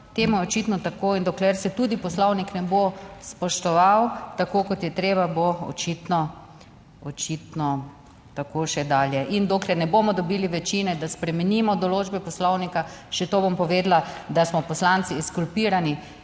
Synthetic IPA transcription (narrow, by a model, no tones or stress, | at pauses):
t̪eːmujɛɔt͡ʃit̪nɔt̪akoːind̪ɔklɛɾsɛt̪uːd̪ipɔslɔwniknɛbospɔʃt̪ɔʋawt̪akoːkɔt̪jɛt̪ɾeːbaboɔ̰t͡ʃit̪nɔ | ɔt͡ʃit̪nɔ | t̪akoʃɛd̪aːljɛʔind̪oːklɛnɛbomɔd̪ɔbiːliʋɛt͡ʃinɛd̪aspɾɛmɛnimɔd̪ɔloːd͡ʒbɛpɔslɔwnikaʃɛt̪obompɔʋeːd̪lad̪asmɔpɔslant̪siɛskulpiːɾani